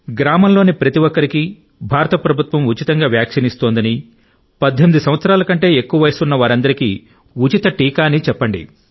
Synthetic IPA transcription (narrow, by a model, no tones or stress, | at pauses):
ɡɾaːmɐmlo̞ːnipɾɐt̪iʋɔkːɐɾiki | bʱaːɾɐt̪ɐpɾɐbʱut̪ʋɐmut͡ʃit̪ɐŋɡaːʋjaːkʂɐnist̪oːnd̪ɐni | pɐd̪ʱːemid̪usɐmʋɐt̪sɐɾaːlɐkɐɳʈe̞ːekːuʋɐʋɐjsunːɐʋaːɾɐnd̪ɐɾiki | ut͡ʃit̪ɐʈiːkaːnit͡ʃɛpːɐɳɖḭ